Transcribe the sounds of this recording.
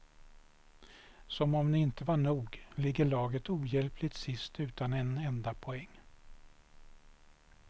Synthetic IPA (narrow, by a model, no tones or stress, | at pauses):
sɔmɔmnɪɪnt̪əvaɳuːɡlɪɡːəɭɑːɡət̪uːjɛlpʰlɪt̪sɪst̪ʉ̟ːt̪anɛnɛnd̪apʰɔɛŋː